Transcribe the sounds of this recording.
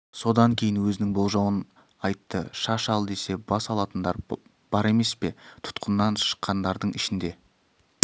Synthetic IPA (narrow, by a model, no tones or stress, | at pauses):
so̞d̪ɑŋkʲʰe̞jɪnwɵzɪnɪŋbo̞lˠʒɑwən | ɑjt̪ːəʃɑʃɑlˠd̪e̞se̞bɑsɑlˠɑt̪ənd̪ɑɾ | b̥ɑɾe̞me̞spe̞t̪ʰʊ̥t̪qʰənːɑnʃə̥qʰːɑnd̪ɑɾd̪əɴʔɪʃɪnd̪e̞